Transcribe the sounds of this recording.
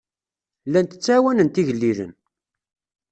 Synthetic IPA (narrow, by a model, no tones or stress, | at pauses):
lːænt̪ə̥t͡sːæwænənt̪iʝəlːiðə̰n